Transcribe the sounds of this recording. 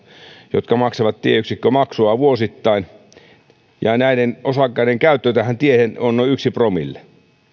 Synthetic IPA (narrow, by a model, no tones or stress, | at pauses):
jot̪kɑmɑkseʋɑt̪t̪ieyksikːømɑksuɑʋuosit̪ːɑin | jɑnæidenosɑkːɑiɾeŋkæˑyt̪ːøˑit̪æhænt̪iehenonnoˑiyksipromḭlːe̥